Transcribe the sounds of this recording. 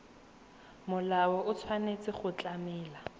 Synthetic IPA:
mʊlawɔʊt͡sʰwanet͡sʼɪχʊt͡ɬʼamɛːla

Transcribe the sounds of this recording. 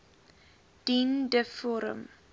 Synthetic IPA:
d̥indəfɔɾə̰̃m

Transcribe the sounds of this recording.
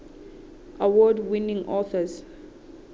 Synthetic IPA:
ʔawɔdwĩnĩŋʔɔθəz

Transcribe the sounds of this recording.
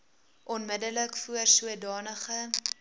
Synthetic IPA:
ʔɔnmədələkfuərsuədɑːnəχə

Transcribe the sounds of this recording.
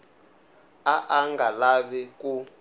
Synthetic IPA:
aʔaŋɡalaβɛku

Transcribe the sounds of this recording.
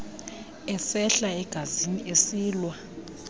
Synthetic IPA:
ɛsɛɬaɛɡ̥ʱaziniʔesiːlwa

